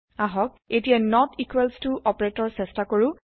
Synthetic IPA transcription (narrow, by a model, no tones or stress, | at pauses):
aɦɔk̚ | etijanɔtikwɛlstuʔɔpɔɹetɔɹsɛstakoɹu